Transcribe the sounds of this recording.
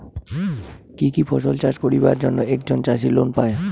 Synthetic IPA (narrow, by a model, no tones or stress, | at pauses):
kikipʰɔʃolt͡ɕad͡ʑkoɾibaɾd͡ʑonːoɛk̚d͡ʑont͡ɕaʃ̬ilonpae